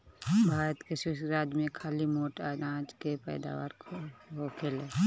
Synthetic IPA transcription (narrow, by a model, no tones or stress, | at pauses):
bʱaːɾət̪keʃʊʃɡɾaːd͡ʒmẽkʰaːlimoːʈaɾãːd͡ʒkepɛ̰ːd̪a̰ːʋa̰ːɾkʰooːkʰeleː